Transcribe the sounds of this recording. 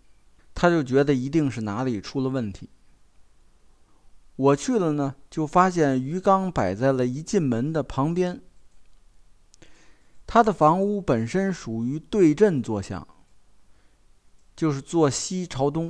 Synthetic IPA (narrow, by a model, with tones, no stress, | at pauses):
t̪ʰa˥t͡ɕjo˥˩ʊt͡ɕɥɛ˧˥d̪ə˧i˧˥t̪i˥˧ŋʂɻ̩˥˩na˧˥li˨˩ʈ͡ʂʰu˥lə˨˧wə˥˩nt̪ʰi˧˥ | wɔ˨˩t͡ɕʰy˥˩lə˩nə˩t͡ɕjo˥˩ʊfa˥ɕjɛ˥˩ny˧˥kɑ˥ŋpa˨˩ɪt͡sa˥˩ɪlə˩i˧˥t͡ɕi˥˩nmə˧˥nd̪ə˨pʰɑ˧˥ŋpjɛ˥n | t̪ʰa˥d̪ə˨fɑ˧˥ŋu˥pə˨˩nʂə˥nʂu˨˩y˧˥t̪we˥˧ɪʈ͡ʂə˥˧nt͡swɔ˥˧ɕjɑ̰˥˩˦ŋ | t͡ɕjo˥˧ʊʂɻ̩˥˧t͡swɔ˥˩ɕi˥ʈ͡ʂʰɑ˧˥ʊt̪ʊ˥ŋ